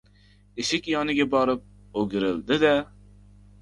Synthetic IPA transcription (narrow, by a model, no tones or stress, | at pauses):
eʃɪkʲjɑːnɨɡʲɛbɑɾɨp̚ | oɡʲiɾɪlˠd̪ɪd̪ɛ